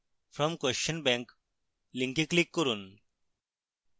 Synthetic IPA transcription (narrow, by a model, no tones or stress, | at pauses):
fɾɔ̃mkwɛst͡ʃə̃nbɛ̃ŋk | lĩŋkiklikːɔɾuːn